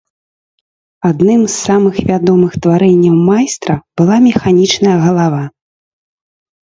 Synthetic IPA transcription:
ad̪nɨmsːamɨxvʲad̪ɔmɨxt̪vaɾɛnʲːɐwmajst̪ɾɐb̥ɨlˠamʲɛxanʲit͡ʂnɐjɐɣɐlˠava

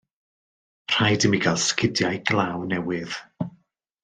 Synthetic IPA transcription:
pʰr̥ajdəmiɡalˠskɪdjajɡlˠawnɛwɪð̥

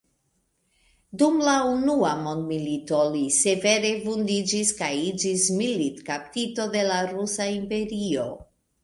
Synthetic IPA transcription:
dumlaunuamo̞ndmilito̞lise̞ve̞ɾe̞vundid͡ʒiskajid͡ʒismilitkap̚tito̞de̞laɾusaimpe̞ɾio̞̰

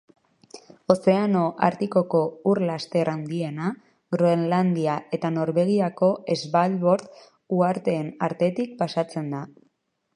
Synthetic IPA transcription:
o̞se̞ano̞ʔa̰ɾt̪iko̞ko̞uɾlast̪e̞ɾand̪ie̞na | ɣɾoenland̪iae̞t̪ano̞ɾβe̞ɣ̞iako̞e̞zβalβo̞ɾt̪ | uaɾt̪e̞ːnaɾt̪e̞t̪ik̚pasat͡se̞nd̪a

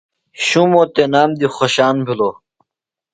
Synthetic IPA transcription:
ɕũmoːt̪enaːmd̪ixoɕaːnbʱiloː

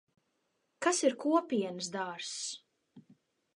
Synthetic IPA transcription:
kasiɾkuɔpʲiɛnɨs̬d̪aːɾs

